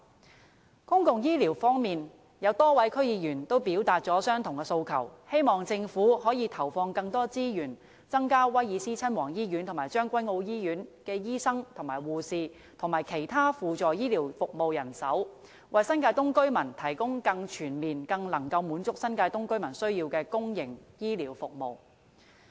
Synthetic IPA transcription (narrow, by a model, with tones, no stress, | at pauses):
kʊ˥ŋkʊ˨ŋjiː˥liː˨˩wfɔː˥ŋmiː˨n | jɐ˨˧wt̪ɔː˥wɐ˨˥jkʰɵ˥ɥjiː˨˧jyː˨˩nt̪o˥wpiː˨˥wt̪aː˧t̚t͡sɔː˨˥sœː˥ŋt̪ʰʊ˨˩ŋkɛ˧so˧wkʰɐ̰˨˩whe˥jmɔː˨˩ŋt͡sɪ˧ŋfuː˨˥hɔː˨˥jiː˨˧t̪ʰɐ˨˩wfɔː˧ŋkɐ˧ŋt̪ɔː˥t͡siː˥jyː˨˩n | t͡sɐ˥ŋkaː˥wɐ˥jjiː˨˧siː˥t͡sʰɐ˥nwɔː˨˩ŋjiː˥jy˨˥nt̪ʰʊ˨˩maː˨˩jt͡ʃœː˥ŋkʷɐ˥jŋo˧wjiː˥jyː˨˥nkɛː˧jiː˥sɐ˥ŋt̪ʰʊ˨˩maː˨˩jwuː˨siː˨ | t̪ʰʊ˨˩ŋmaː˨˩jkʰe˨˩jt̪ʰaː˥fuː˨t͡sɔː˨jiː˥liː˨˩wfʊ˨k̚mo˨wjɐ˨˩nsɐ˨˥w | wɐ˨jsɐ˥nkaː˧jt̪ʊ˥ŋkɵ˥ɥmɐ˨˩nt̪ʰɐ˨˩jkʊ˥ŋkɐ˧ŋt͡ʃʰyː˨˩nmiː˨nkɐ˧ŋlɐ˨˩ŋkɐ˧wmuː˨˥nt͡sʊ˥k̚sɐ˥nkaː˧jt̪ʊ˥ŋkɵ˥ɥmɐ˨˩nsɵ˥ɥjiː˧wkɛː˧kʊ˥ŋjɪ˨˩ŋjiː˥liː˨˩wfʊ˨k̚mo̰˨w